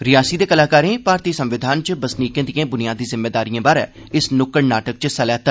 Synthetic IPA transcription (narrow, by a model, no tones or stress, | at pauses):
ɾɪjaːsiːd̪eːkəlaːkaːɾẽːpaːɾt̪iːsəmʋɪd̪ʱaːnt͡ʃbəsniːkẽːd̪ijãːbʊnijaːd̪iːzɪmːeːd̪aːɾijãːbaːɾɛ̰ː | ɪsnʊkəɽnaːʈək̚t͡ʃsɛlɛːt̪aː